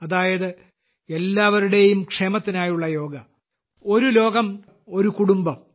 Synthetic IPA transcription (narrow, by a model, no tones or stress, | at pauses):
ɐðaːjɐðɨ | e̞lːaːʋɐɾuɽe̞jumkʂe̞ːmɐt̪ːinaːjuɭːɐjo̞ːɡɐ | o̞ɾulo̞ːɡɐm | o̞ɾukuɽumbɐm